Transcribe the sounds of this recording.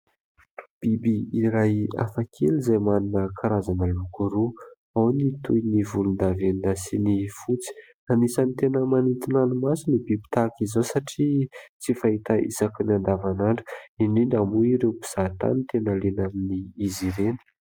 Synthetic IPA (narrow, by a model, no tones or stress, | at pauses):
b̥ibiiɾaja̰fakʰelizajmaninəkʰaɾazanəlukuɾu | awnit̪ujnivulund̪aveninasinifut͡si̥ | anisənit̪enəmanit̪inanumasinibibi̥t̪akizowsaʈ͡ʂit͡sifaɦit̪aḭsakinand̪avanaɳɖ͡ʐəininamuiɾewpiz̥at̪a̰nit̪enalenaminiːziɾenə̥